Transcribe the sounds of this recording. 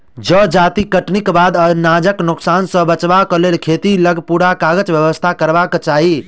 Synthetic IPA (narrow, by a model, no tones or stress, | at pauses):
d͡ʒəd͡ʒat̪ikəʈnikbad̪ənad͡ʒəknuksansə̃bət͡ʃbakəlelkʰet̪iləɡʱpuɽakaɡət͡ʃbjəʋəst̪ʰakəɾbakt͡ʃaɦi